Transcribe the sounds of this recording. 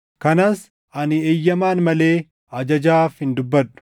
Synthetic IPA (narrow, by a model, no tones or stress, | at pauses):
kɐnɐs | ɐnɪeːjːɐmaːnmɐle̞ː | ɐd͡ʒɐd͡ʒaːfhɪnd̪ʊbːɐᶑːʊ̥